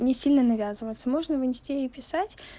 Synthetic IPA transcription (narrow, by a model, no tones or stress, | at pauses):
nʲɪsʲilʲnənɐvʲazɨvət̪səmo̞ʐnəvɨnʲɪsʲtʲiɪpʲɪsatʲ